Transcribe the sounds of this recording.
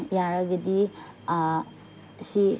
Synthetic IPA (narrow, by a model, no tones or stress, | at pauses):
jaɾaɡɐdi | si